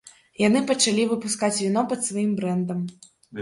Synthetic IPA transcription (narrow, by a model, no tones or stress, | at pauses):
jan̪ɨpɐt͡ʂalʲivɨpuskat͡sʲvʲinɔpɐt̪svajimbɾɛnd̪ɐm